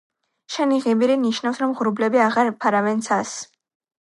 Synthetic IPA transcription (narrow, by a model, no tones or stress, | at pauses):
ʃɛniʁimiɾiniʃnafsɾɔmʁɾublɛbiaʁaɾpʰaɾavɛnt̪sʰas